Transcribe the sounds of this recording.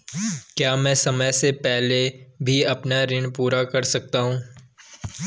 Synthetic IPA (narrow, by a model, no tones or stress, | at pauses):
kjaːmɛ̃ːsɐməjsepɛɦlebʱiɐpnaɾɪnpuːɾakɐɾsɐk̚t̪aɦũː